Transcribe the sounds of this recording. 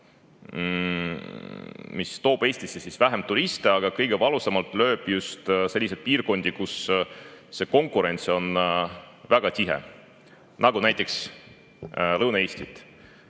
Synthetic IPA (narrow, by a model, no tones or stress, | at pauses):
mist̪o̞ːb̥e̞ːsʲt̪isːesisvæɦe̞mt̪uɾist̪eɑɡ̥ɑkɤjɡ̥e̞vɑlusɑmɑlt̪ˑlø̞ːb̥just̪se̞lʲːis̬ed̥̪̚piːrko̞nʲd̪̥ikusː | e̞ko̞ŋkuɾe̞nʲt̪so̞n | væɡ̥ɑt̪ʲiɦḛ | nɑɡ̥unæjt̪ːˑe̞ks | lɤwnɑeːsʲt̪it̪ˑ